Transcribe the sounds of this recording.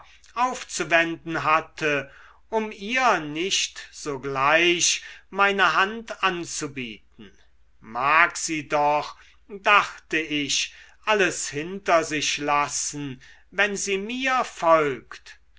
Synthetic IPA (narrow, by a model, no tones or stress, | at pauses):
ʔaʊft͡suvɛndn̩ɦatʰə | ʊmiːɐnɪʃtz̥oːɡlaɪʃmaɪnəɦantʔant͡subiːt̚n̩ | maːkz̥iːdɔχ | daχtəɪʃʔaləshɪntɐzɪɕlasn̩ | vɛnziːmiːɐfɔlkt